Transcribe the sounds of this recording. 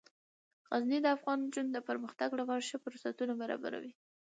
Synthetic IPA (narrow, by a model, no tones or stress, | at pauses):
ɣaznid̪əafɣɑnd͡ʒund̪əpəɾməxt̪aɡɽawaɾʃəpəɾʊsat̪unabaɾɑ̰ba̰ɾa̰wi